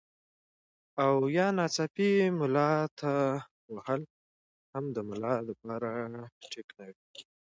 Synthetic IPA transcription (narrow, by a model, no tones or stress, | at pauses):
awjɑnɑt͡sɑpimʊlɑt̪a | wahəl | hamd̪əmʊlɑd̪əpɑɾaʈʰiknawi